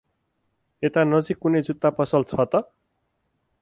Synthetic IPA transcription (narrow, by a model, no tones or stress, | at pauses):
et̪anʌd͡zikːunʌjd͡zut̪ːapʌsʌlt͡sʰʌt̪ʌ